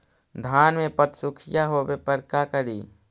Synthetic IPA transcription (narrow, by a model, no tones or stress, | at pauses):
d̪ʱaːnmẽpət̪sʊkʰɪjaɦobepəɾkakəɾiː